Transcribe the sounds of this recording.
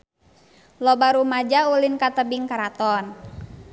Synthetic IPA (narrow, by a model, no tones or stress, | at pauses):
lɔbaɾumad͡ʒaulinkat̪əbiŋkaɾat̪ɔn